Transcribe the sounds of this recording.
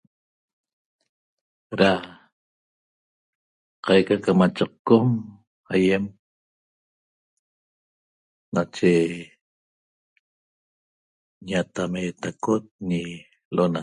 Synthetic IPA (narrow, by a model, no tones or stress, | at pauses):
ɾa | qɑjkakamat͡ʃaq̚kom | aje̞m | nat͡ʃe | ɲat̪amet̪akot̪̚ɲi | lʔona